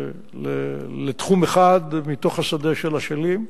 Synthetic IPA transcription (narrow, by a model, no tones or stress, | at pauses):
lelet̪χumeχad̪mit̪o̞χhasadeʃelaʃelim